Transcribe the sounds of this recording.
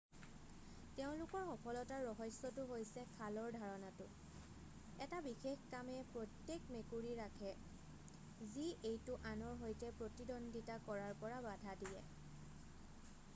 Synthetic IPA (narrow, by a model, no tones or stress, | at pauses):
teʊ̃lʊkɔɹxɔpʰɔlɔtaɹːɔɦɔsːɔtʊɦojsɛkʰalɔɹdʱaɹɔnatʊ | ɛtabixexkamɛpɹotjekmekuɹiɹakʰɛ | ziʔejtʊʔanɔɹɦojtɛpɹotidɔnditakɔɹaɹpɔɹabadʱadijɛ